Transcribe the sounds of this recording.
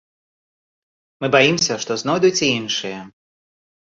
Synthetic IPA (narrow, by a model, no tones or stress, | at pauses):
mɨbajimsʲɐʂt̪ɔznɔjd̪ut͡sʲiinʂɨjɐ